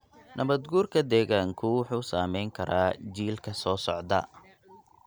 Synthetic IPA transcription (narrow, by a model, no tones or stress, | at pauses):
nʔɐβɐd̪ɡuːrkʰɐd̪ɛːɣaːŋkʰʊwʊħuːsaːmɛjŋkʰɐɾaːd͡ʒiːlkʰɐsɔːsɔʕd̪ɐ̰